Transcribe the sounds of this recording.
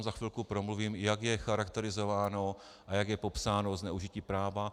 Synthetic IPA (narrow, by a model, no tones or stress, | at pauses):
mzaxvɪlkupɾomluviːmjaɡjɛxaɾakt̪ɛɾɪzo̞vaːno | ʔajaɡjɛpo̞psaːnoznɛuʒɪciːpɾaːva